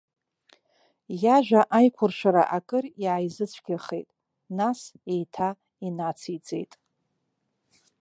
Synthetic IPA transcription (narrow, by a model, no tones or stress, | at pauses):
jaʒᶣʷaʔajkʷʰʊrʃʷaɾa̰ʔakʼɨriʕajzɨt͡sʷʰɡ̥ʲaχḛjtʼ | nasejtʰa | inat͡sʰit͡sʼe̞̰jtʼ